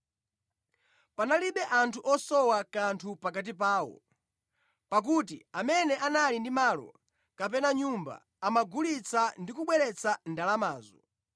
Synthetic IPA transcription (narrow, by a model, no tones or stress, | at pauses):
panaliɓɛʔantʰuʔɔsɔwakantʰupak̬at̬ip̬aːwɔ̰ | pak̬utḭamɛnɛʔanalindimalɔ̰ | kap̬ɛnaɲumba̰ːmaɡulit͡sʰandikuɓwɛɾɛt͡sʰandalamaːzɔ